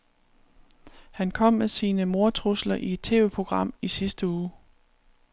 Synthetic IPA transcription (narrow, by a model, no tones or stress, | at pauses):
hænkʰɒ̽m̰mesiːnəmo̝ɐt͡sʰʁuslɐʔie̝d̥̚t͡sʰe̝̰ːʋepʰʁo̝ɡ̥ʁɑ̈m̰isisd̥əuː